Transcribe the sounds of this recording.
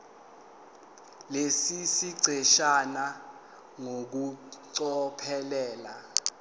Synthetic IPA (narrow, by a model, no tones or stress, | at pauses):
lesisiǀʱɛʃana | ŋok̬uǀɔpʰɛlɛːla